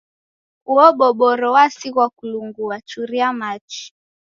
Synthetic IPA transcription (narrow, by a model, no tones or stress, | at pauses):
uɔɓɔɓɔɾɔwasiɣwakuluŋɡuat͡ʃuɾiamat͡ʃi̥